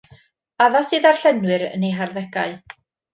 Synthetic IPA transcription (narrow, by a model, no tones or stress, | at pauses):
aðasɨːðarɬɛnwɨɾə̰nejɦarðɛɡaɨ